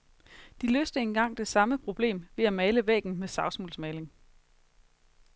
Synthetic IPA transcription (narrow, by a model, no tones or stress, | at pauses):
d̥ilø̰ːsd̥əe̝nɡ̥ɑ̈ŋ̰d̥e̝sɑ̈məpʰʁo̝b̥le̝̰ːmʋe̝æmɛːɪləʋɛ̰ːɡ̥n̩mesɑ̈ʊsmulsmɛɪle̝ŋ